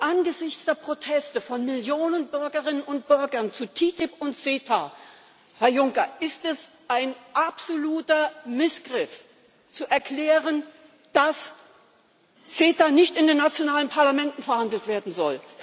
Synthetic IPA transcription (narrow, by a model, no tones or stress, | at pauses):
ʔanɡəzɪçt͡sd̥eːɐpʁ̥otʰɛstəfɔnmɪljoːnənbʏɐɡəʁɪnənʊnt̚b̥ʏɐɡɐnt͡sutʰiːtɪpʊntt͡seːtʰa | hɛɐjʊŋkɐʔɪstɛs | ʔaɪnʔapz̥oluːtɐmɪsɡ̥ʁɪf | t͡suʔɛɐklɛːʁən | d̥as | t͡seːtanɪçtɪndeːnːat͡sjonaːlənpʰaɐlamɛntn̩fɛɐhandl̩tv̥eːɐdn̩zɔ̰l